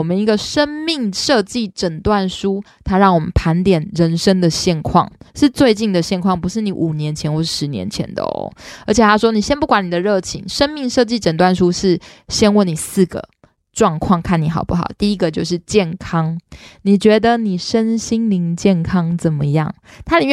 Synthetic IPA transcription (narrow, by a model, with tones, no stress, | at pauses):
ɔ˨˩mə˨˦ni˧˥ɡə˧ʂə˥nmi˥˩ŋʂɤ˥˧t͡ɕi˥˩ʈ͡ʂə˨˩nt̪wa˥˩nʂu˥ | t̪ʰa˥ɻɑ˥˩ŋwɔ˨˩mə̰˦npʰa˧˥nt̪jɛ˨˩nɻə˧˥nʂə˥ŋd̪ə˨ɕjɛ˥˧nkʰwɑ̰˥˩ŋʂɻ̩˥˧t͡swe˥˧ɪt͡ɕi˥˩ŋd̪ə˩ɕjɛ˥˧nkʰwɑ˥˩ŋpu˧˥ʂɻ̩˥˩ni˨˥˦ʔu˨˩njɛ˧˥nt͡ɕʰjɛ˧˥nxwɔ˥˧ʂɻ̩˥˩ʂɻ̩˧˥njɛ̰˧˦nt͡ɕʰjɛ̰˧˦nd̪ə̰˩ɔ̰˦ə˧˥t͡ɕʰjɛ˨˩t̪ʰa˥ʂwɔ˥ni˨˩ɕjɛ˥npu˥˩kwa˧˥ni˨˩d̪ə˩ɻɤ˥˩t͡ɕʰḭ˧˥˦ŋʂə˥nmi˥˧ŋʂɤ˥˧t͡ɕi˥˩ʈ͡ʂə˨˩nt̪wa˥˩nʂu˥ʂɻ̩˥˩ɕjɛ˥nwə˥˩ni˨˩sɹ̩˥˩ɡə̰˩ | ʈ͡ʂwɑ˥˧ŋkʰwɑ˥˩ŋkʰa˥˩ni˨˩˦xɑ˨˩ʊpu˥˩xɑ̰˨˩ʊt̪i˥˩i˦˥ɡə˨t͡ɕjo˥˧ʊʂ̬ɻ̩˥˧t͡ɕjɛ˥˩nkʰɑ˥ŋni˨˩t͡ɕɥɛ˧˥d̪ə˧˨ni˨˩ʂə˦˥nɕi˥ŋli˧˥ŋt͡ɕjɛ˥˩nkʰɑ˥ŋt͡sə˨˩nmə˦jɑ̰˥˩ŋt̪ʰa˥ni˨˩